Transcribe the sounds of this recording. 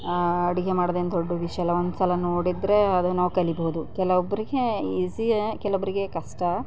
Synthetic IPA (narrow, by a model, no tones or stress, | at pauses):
ɐɽiɡemaːɽod̪end̪oɖːuʋiʂɐɐlːɐond̪usɐlɐnoːɽid̪ɾe̞ɐd̪unaːʋukɐliboɦud̪ukɛlɐobːɐɾiɡeisikɛlɐobːɐɾiɡekɐʂʈɐ